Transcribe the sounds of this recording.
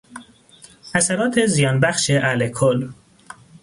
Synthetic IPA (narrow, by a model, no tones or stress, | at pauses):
æsæɾɒːt̪ʰezijɒːnbæxʃeʔælekʰol